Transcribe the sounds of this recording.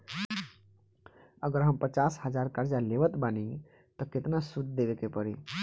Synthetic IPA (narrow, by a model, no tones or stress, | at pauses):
əɡəɾɦəmpət͡ʃasɦəd͡ʒaɾkəɾd͡ʒaleʋət̪bani | t̪ɔket̪nasud̪̚d̪eʋekepəɾi